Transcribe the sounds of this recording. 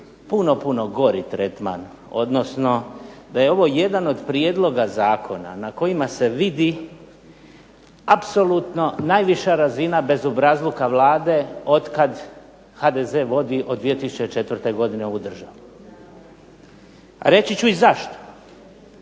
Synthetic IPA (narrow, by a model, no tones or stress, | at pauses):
puno̞puno̞ɡo̞ɾit̪ɾet̪ma̰n | o̞d̪no̞sno̞d̪aje̞o̞ʋo̞je̞d̪ano̞d̪pɾije̞d̪lˠo̞ɡazaːkʰo̞na̰nako̞jimase̞ʋid̪i | apso̞lut̪no̞naːjʋiʃaɾazinabe̞zobɾazlˠukaʋlaːd̪e̞o̞d̪kad̪ | had̪eze̞ːʋo̞d̪iʔod̪ʋie̞t̪isu̥t͡ʃet͡ʃe̞t̪ʋr̩t̪e̞ɡo̞d̪ineud̪r̩ʒaʋu | a̰ɾe̞t͡ɕit͡ɕuizaʃt̪o̥